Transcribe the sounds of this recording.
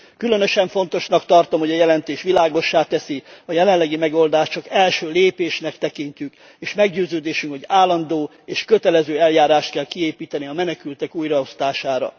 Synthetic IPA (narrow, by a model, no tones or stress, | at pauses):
kylønø̞ʃɛɱfo̞nt̪o̞ʃnɒkt̪ɒrt̪o̞mho̞ɟɒjɛlɛnt̪eːʃʋilaːɡo̞ʃːaːt̪ɛsiɒjɛlɛnlːɛɡimɛɡo̞ld̪aːʃt͡ʃɒkɛlʃøːleːpeːʃnɛkt̪ɛkiɲcyk | eːʃmɛɡɟøːzøːd̪eːʃyŋkhoɟaːlːɒnd̪oː | eːʃkø̞t̪ɛlɛzøːɛljaːɾaːʃt̪̚kɛlkieːpiːt̪ɛniɒmɛnɛkylt̪ɛkuːjrɒo̞st̪aːʃaːɾɒ̰